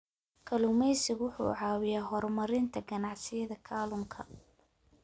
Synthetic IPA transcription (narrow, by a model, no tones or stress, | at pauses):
kʰɐlʊmɛjsɪɣwʊħṵːʕɑːwɪjaːɦɔrmɐɾɪnt̪ʰɐɡɐnɑʕsɪjɐðɐkʰaːlʊŋkʰɐ̰